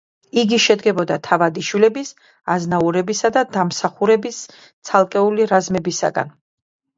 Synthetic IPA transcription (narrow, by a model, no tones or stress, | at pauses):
iɡiʃɛd̪ɡɛbɔd̪at̪ʰavad̪iʃwilɛbis | aznauɾɛbisad̪ad̪amsaχuɾɛbis | t̪sʰalˠkʼɛuliɾazmɛbisa̰ɡa̰n